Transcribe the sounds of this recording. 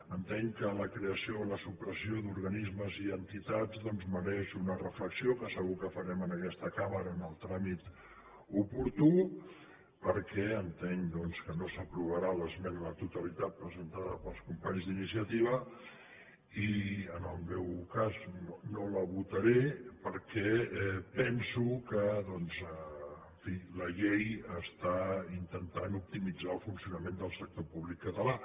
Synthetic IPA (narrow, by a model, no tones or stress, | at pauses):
ənt̪eŋkələkɾeəsioləsupɾəsiod̪uɾɣənizməziənt̪it̪ad͡zd̪ɔnzməɾɛʃunərəfləksiokəsəɣukəfəɾɛmənəkɛst̪əkaməɾəːnəlˠt̪ɾamit̪ | upuɾt̪u | pəɾkɛənt̪eŋd̪ɔnskənosəpɾuβəɾaləzmɛnlət̪ut̪əlit̪at̪̚pɾəzənt̪aðəpəlˠskumpaɲzðinisiət̪iβ̞ə | iənəlˠmɛwkaznonoləβut̪əɾepəɾkɛɛpɛnsukəðɔnzəːɱfiləʎejəst̪aint̪ənt̪anup̚t̪imid͡zalˠfunsiunəmend̪əlˠsək̚t̪opuβlikːət̪əla